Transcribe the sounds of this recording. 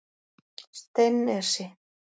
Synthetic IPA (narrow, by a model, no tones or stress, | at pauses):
st̪enɛɾ̥sɪ